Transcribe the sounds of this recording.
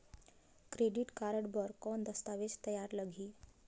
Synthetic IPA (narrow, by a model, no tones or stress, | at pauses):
kɾeɖiʈkaɾəʈbəɾkɔnd̪əst̪aʋet͡ʃt̪əjaɾləɡʱiː